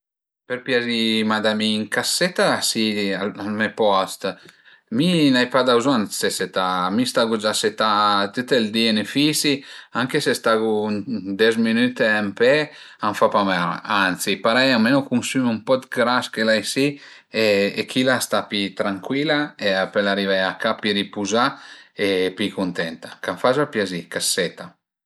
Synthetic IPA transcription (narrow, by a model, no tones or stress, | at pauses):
peɾpjad͡ʒimad̪amiːŋkasːɛt̪ːasialalmɛpɔst̪ | minajpad̪awzɔnseset̪amist̪aɡud͡ʒaset̪at̪ut̪eld̪ienefisiaŋkesest̪aɡud̪ɛzminyt̪eampɛ | aɱfapamɛɾ̰ant̪sipaɾɛjamenukunsymumpɔt̪ɡɾaskelajsi | eekʰilast̪apit̪ɾaŋkwilaeapelaɾivaakapiɾipuzaepikunt̪ɛnt̪akaɱfazapjazikasːɛt̪a